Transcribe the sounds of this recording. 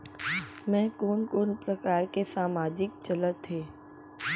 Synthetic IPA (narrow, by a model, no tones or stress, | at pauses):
mɛ̃ːkoːnkoːnpɾəkaːɾkesaːmaːd͡ʒɪkt͡ʃɐlət̪ɦeː